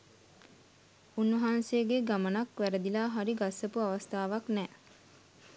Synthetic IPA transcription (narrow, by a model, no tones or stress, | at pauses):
unʋɐɦaːnseəɡeɡamənakʋæɾəd̪ilaːɦaɾiɡasəpuaʋast̪aːʋaknɛː